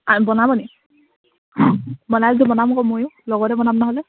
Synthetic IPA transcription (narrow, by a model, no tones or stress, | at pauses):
abɔnabɔni | bɔnalzɛbɔnamkɔmojʊlɔɡɔtɛbɔnamnaɦɔlɛ